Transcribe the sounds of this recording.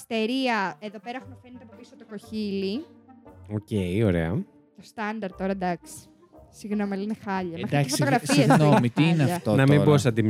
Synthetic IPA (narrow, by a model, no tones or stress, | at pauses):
ist̪e̞ɾiɐe̞ðo̞peɾɐxunɐfenet̪eɐpopisot̪oko̞çili | oceioɾḛɐ | t̪ost̪ɐnd̪ɐɾt̪t̪o̞ɾɐd̪ɐksi̥ | siɣno̞miɐlinexɐʎɐmed̪ɐsotoɣɾɐfsienomit̪iineɐʎfɐt̪onɐmĩbosɐt̪im